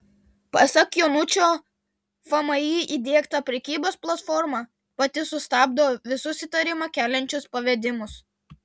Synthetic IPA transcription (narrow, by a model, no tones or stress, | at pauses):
pɐsɐkjoːnʊt͡ʃʲoː | fɐmɐiːʔid̪ʲeːkt̪ɐpʲɾʲɛkʲiːboːsplˠɐt̪fɔɾmɑ | pɐt̪ʲɪsʊst̪ɑːb̚d̪ɐoʋʲɪsʊsʲɪt̪ɐɾʲɪmɑkʲæːlʲɛnʲt͡ʃʲʊspɐʋʲɛd̪ʲɪmʊs